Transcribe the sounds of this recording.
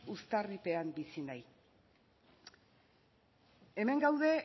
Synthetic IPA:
ust̪aripe̞ambisinaj | e̞me̞ŋɡawðe̞

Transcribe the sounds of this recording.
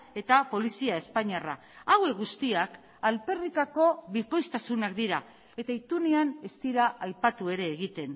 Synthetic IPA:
e̞t̪apo̞lisiae̞spaɲiara̰ | awe̞kɡɣust̪iak | alpe̞rikako̞βiko̞jst̪asunakd̪iɾa | e̞t̪ait̪uneane̞st̪iɾaʔajpat̪ue̞ɾe̞ːɣ̞it̪e̞n

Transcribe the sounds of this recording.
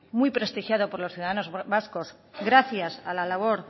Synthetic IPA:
mujpɾe̞st̪ixjaðopoɾlo̞sθjuðaðano̞zβasko̞z | ɡɾaθjasalalaβ̞o̞ɾ

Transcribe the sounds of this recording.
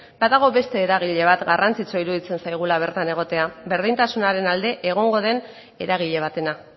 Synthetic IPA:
baðaɣ̞o̞βe̞st̪e̞ːɾaɣ̞iʎe̞β̞at̪ɡarant͡sit͡so̞iɾuðit͡se̞nsajɣ̞ulaβ̞e̞ɾt̪ane̞ɣ̞o̞t̪e̞abe̞ɾð̞int̪asunaɾe̞nald̪e̞ʔeɣ̞o̞ŋɡo̞ð̞e̞n | e̞ɾaɣ̞iʎe̞β̞at̪e̞na

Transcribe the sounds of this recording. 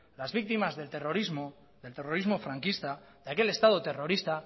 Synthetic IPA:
lazβik̚t̪imazðe̞lt̪eroɾizmo | ðe̞lt̪ero̞ɾizmo̞fɾaŋkist̪a | ðeake̞le̞st̪að̞ot̪e̞ro̞ɾist̪a

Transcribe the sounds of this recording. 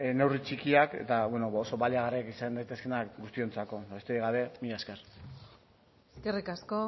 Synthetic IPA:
ne̞writ͡ʃikiake̞̰t̪aβweno̞oso̞βaliaɣariakisand̪ajt̪e̞ske̞nakɡust̪io̞nt͡sako̞aβest̪eɾiɣaβe̞mijaskeɾ | eskerikasko

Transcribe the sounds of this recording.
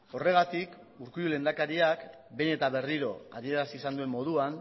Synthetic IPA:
o̞re̞ɣ̞at̪ik | uɾkujule̞nd̪akaɾiak | be̞ne̞t̪aβe̞riɾo̞a̰ðie̞ɾasiːsand̪ue̞mːo̞ð̞uan

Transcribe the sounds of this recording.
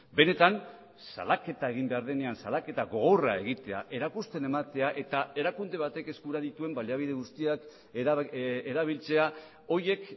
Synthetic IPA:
be̞ne̞t̪an | sa̰lake̞t̪ae̞ɣ̞imbe̞aɾðe̞ne̞ansalake̞t̪aɣo̞ɣ̞o̞rae̞ɣ̞it̪e̞a̰ʔe̞ɾakust̪e̞ne̞mat̪e̞aʔe̞t̪ae̞ɾakund̪e̞β̞at̪e̞ke̞skuɾaðit̪ue̞mbaliaβ̞iðe̞ɣust̪iak | eɾaβ̞ilt͡se̞a | o̞je̞k

